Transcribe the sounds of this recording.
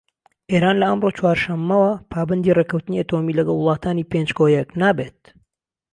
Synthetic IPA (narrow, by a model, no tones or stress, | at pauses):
ʔeːɾaːnlɐʔəmrot͡ʃwaːɾʃɐmːɐwɐpʰaːbɐnd̪ireːkɐwt̪ɨniʔɐt̪omilɐɡɐlˠwʊlˠɑːt̪ʰaːniːpend͡ʒɡojɐknaːbet̪̚